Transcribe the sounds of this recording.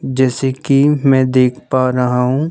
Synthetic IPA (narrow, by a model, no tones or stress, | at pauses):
d͡ʒɛːsekimɛ̃ːd̪eːkʰpaɾɐɦaɦũː